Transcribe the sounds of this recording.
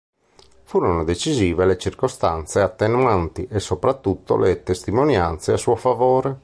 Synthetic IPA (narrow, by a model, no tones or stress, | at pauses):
fuːɾonod̪et͡ʃiziːvelet͡ʃirkost̪ant̪seat̪ːenwant̪iʔɛsopɾat̪ːut̪ːo̰let̪est̪imonjant̪seasuofavoːɾe